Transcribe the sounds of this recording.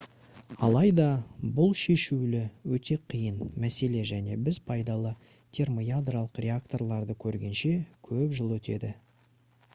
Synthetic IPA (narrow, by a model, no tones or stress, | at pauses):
ɑlˠɑjd̪ɑbʊlˠʃe̞ʃulɪwɵt̪ʰe̞qʰijənmæse̞le̞ʒæne̞bɪzpʰɑjd̪ɑlˠə | t̪ʲʰe̞rmo̞jad̪ralˠəqrʲʔe̞akt̪o̞rlˠɑɾd̪əkʲʰɵɾɡʲe̞nʃe̞kʲʰɵpʒəlˠwɵt̪ḛd̪ɪ